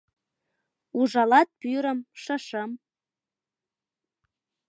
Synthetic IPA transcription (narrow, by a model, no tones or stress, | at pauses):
uʒɑlɑt̪̚pyɾə̆mʃɤ̆ʃəm